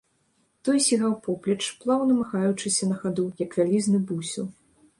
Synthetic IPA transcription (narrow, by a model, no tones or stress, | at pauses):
t̪ɔjsʲiɣawpɔplʲɐt͡ʂplˠawnɐmaxajut͡ʂɨsʲɐnɐxad̪ujɐkvʲalʲiznɨbusʲiw